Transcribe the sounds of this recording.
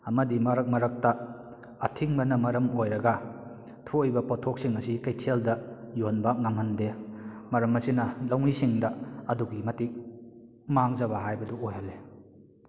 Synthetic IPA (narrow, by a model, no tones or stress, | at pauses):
ɐmɐdimɐɾɐk̚mɐɾɐk̚taː | tʰiŋmɐnɐmɐɾɐmojɾɐɡa | tʰuojbɐpɔtʰok̚siŋɐsikajtʰeldɐjonbak̚namhɐnde | mɐɾɐmɐsinɐlawŋisiŋdɐɐduɡimɐtik̚ | maŋzɐbaɦajbɐduojhalːe